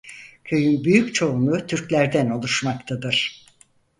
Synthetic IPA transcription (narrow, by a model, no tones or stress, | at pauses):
cʲʰø̞jynbyjyct͡ʃʰo̞unut̪ʰyɾcʲlʲæɾd̪æno̞lˠuʃmakt̪ʰad̪ɯɾ̥